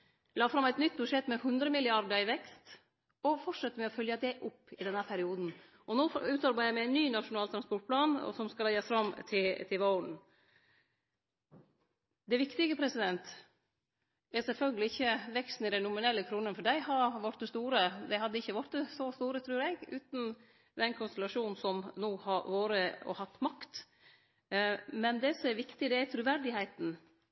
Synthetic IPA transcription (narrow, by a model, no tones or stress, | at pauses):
lɑːfɾɑmæɪt̪nʏt̪̚ːbʉʂɛt̪ːmɛhʉnd̪ɾəmɪlɪɑɾɖəɾɪʋɛkst̪ | ɔfɔʈʂɛt̪ːəmɛɔfœljəd̪ɛʔʊpːɪd̪ɛnhæɾpʰæɾɪuːd̪n̩ | ʔɔnoːʉːt̪ɑɾbæɪd̪jæɪmɛæɪnːyːnɑʂʊnɑːlt̪ʰɾɑnspɔʈ̚pʰlɑːnɔ̰sɔmskɑlɛjɑfɾɑmt̪ʰɪlt̪ʰɪʋɔʊɳ̩ | d̪ɛʋɪkt̪ɪɡəpʰɾɛsɪd̪ɛnt̪ | ɛsɛlfœlɡəlɪɪçːəʋɛkst̪n̩ɪd̪æɪnʊmɪnɛlːəkʰɾuːnənfɔɖæɪhɑʋɑʈ̪̚əst̪uːɾəd̪æɪhɑd̪ːəɪçːəʋɔʈ̪̚d̪əsɔst̪uːɾət̪ʰɾʉːɾɛɡʉːt̪n̩ | d̪ɛnkʰʊnst̪ɛlɑʂuːnn̩sɔmnoːhɑʋoːɾəɔ̰hɑt̪ːmɑkt̪ | mɛnd̪ɛsɔmɛʋɪkt̪ɪd̪ɛæt̪ʰɾʉːʋæɾɖɪhæɪt̪n̩